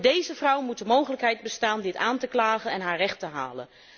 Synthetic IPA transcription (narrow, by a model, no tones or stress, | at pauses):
dejzəvrʌwmut̚dəmowχələkɦɛjd̚bəstaːndɪtaːntəklaːχənɛnɦaːɹrɛχtəɦa̰ːlə̰n